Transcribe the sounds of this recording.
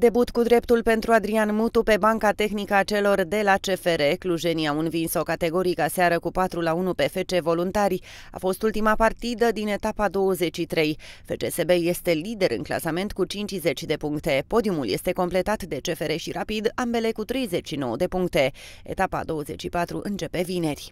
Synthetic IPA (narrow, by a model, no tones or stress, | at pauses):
d̪e̞but̪kud̪ɾe̞pt̪ulpe̞n̪t̪ɾuad̪ɾianmut̪upe̞baŋkat̪e̞xnikəat͡ʃe̞lo̞rd̪e̞lat͡ʃe̞fe̞ɾe̞kluʒe̞niaunvinsawkat̪e̞ɡo̞ɾikaseaɾəkupat̪ɾulaunupe̞fe̞t͡ʃe̞vo̞lunt̪arʲj | a̰fo̞st̪ult̪imapart̪id̪əd̪ine̞t̪apad̪o̞wəze̞t͡ʃʃit̪ɾe̞jfe̞t͡ʃe̞se̞be̞je̞st̪e̞lid̪e̞ɾɨ̰ŋkla̰same̞nt̪kut͡ʃint͡ʃʲze̞t͡ʃʲd̪e̞puŋk̚t̪e̞po̞d̪iumulje̞st̪eko̞mple̞t̪at̪d̪e̞t͡ʃe̞fe̞ɾe̞ʃiɾapid̪ambe̞le̞kut̪ɾe̞jze̞t͡ʃʲʃino̞̰wəd̪e̞puŋk̚t̪e̞ḛt̪apa̰d̪o̞wəze̞̰t͡ʃʃipat̪ɾuʔɨnt͡ʃe̞pe̞vine̞rʲ